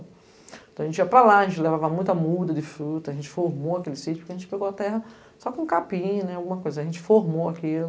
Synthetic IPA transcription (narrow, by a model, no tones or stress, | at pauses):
t̪ɐ̃ɐʒẽt͡ʃiɐpɾalaɐʒẽnt͡ʃɪlevavɐmũj̃t̪ɐmud̪ɐd̪ɪfɾut̪ɐʒẽt͡ʃɪ̥foɾmoɐkelɪsit͡ʃʊpʊkeɐʒẽnt͡ʃɪ̥peɡoat̪ɛɦɐ | sɔkõũkapĩɲʊnɛawɡũmɐkojzɐʒẽnt͡ʃɪ̥foɾmoakilʊ